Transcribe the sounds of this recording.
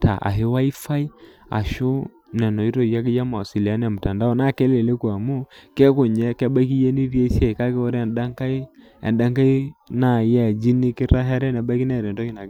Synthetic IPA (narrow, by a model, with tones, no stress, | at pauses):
ta̰˨ʔa̰˨ɦɪ˦wa˦i˦fa˦i˦ | a̰˨ʃo˦ | nɛ˨nɔ˨i˦ɾo˦˨ja˦ki˦ja˦ma˨si˨la˦nɛ˨mu˨ta˨nda˦o˦na˦˨kɛ˦le˨le˦ku˨a˨mu˦kɛ˦ku˨ɲɛ˦kɛ˦ba˦ki˦je˦ni˦ɾi˦e˦si˦ɛ˦˨ka˦kɛ˦wɔ˦ɾɛ˨nda˦ŋka˦ | ɛ̰˨nda˦ŋka˦i˦na˨jɛ˦˨d͡ʒi˦ni˦kɪ˦ɾa˦ɦɛ˦ɾɛ˦nɛ˨ba˦ki˦nɛ˦˨ɾɛ˨n˨tɔ˦ki˦na˨˦